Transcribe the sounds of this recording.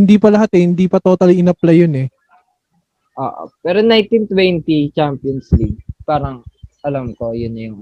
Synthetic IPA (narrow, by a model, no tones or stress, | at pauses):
ɪnd̪iːpɐlɐɦat̪ɛhɪnd̪iːpɐt̪oːt̪ɐlɪnɐp̚lɐjonɛ | ʔo̰ːʔo̰pɛːɾonajnt̪int̪wɛnt̪it͡ʃampjonsliɡ̚paːɾɐŋʔɐlamko̞jʊnjʊŋ